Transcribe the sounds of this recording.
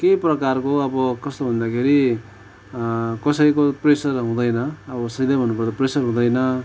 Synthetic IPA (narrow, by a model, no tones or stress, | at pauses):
keprʌkarkoʌbʌkʌst̪obʱʌnd̪akʰeɾi | kʌsʌjkopresʌrɦũd̪ʌjnʌːbʌsʌilabʱʌnːupʌrt̪ʌpresʌrɦũd̪ʌjnʌ